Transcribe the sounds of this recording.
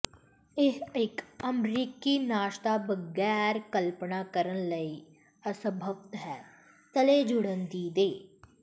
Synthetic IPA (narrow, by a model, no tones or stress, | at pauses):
ɪɦɪkəmɾiːkiːnaːʃt̪aːbəɡɛːɾkəlpnaːkəɾənləiː | əsəbʱəʋt̪ɦɛː | t̪əleːd͡ʒʊɽənd̪iːd̪eː